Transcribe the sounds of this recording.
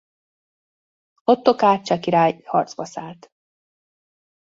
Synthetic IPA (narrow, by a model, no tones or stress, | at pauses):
ot̪ːokaːt͡ʃɒkiɾaːjhɒrd̪zbɒsaːlt̪